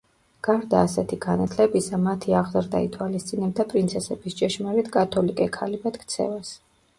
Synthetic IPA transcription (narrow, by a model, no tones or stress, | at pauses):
ɡ̥aɾd̪aːsɛt̪ʰiɡ̥anat̪ʰlɛbisamat̪ʰiaʁzaɾd̪a̰it̪ʰwalist̪sʼinɛbd̪apʼɾint̪sʰɛsɛbist͡ʃʼɛʃmaɾit̪kʼat̪ʰɔlikʼɛkʰalibat̪kʰt̪sʰɛ̰vas